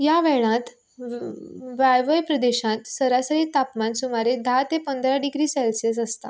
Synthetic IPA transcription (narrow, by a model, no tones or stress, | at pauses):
jaʋɛɭãt̪ | ʋajʋəjpɾəd̪eɕãt̪səɾasəɭit̪apmansumaɾed̪ʱat̪epənd̪ʱɾaɖiɡɾiːsɛlsəs̬əst̪a̰